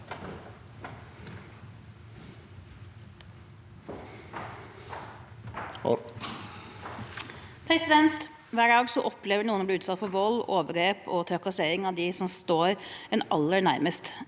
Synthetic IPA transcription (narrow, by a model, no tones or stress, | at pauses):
pʰɾɛsɪd̪ɛnt̪ | ʋæːɖɑːɡsɔʔɔpleːʋəɳuːənɔblɪʉːt̪sɑt̪fɔɾʋɔloːʋəɡɾeːpɔt̪ʰɾœkɑseːɾɪŋɑʋd̪ɪsɔmst̪oːɾɛnɑ̰lːəɳæɾməst̪